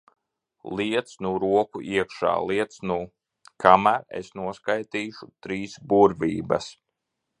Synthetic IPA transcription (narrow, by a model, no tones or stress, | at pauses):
lˠiɛt̪snuɾuɔkuʔiɛkʃa̰ːlˠiɛt̪snu | kʰamæːɾḛsnuɔskajt̪iːʃut̪ɾiːsbuɾvʲiːbɐ̰s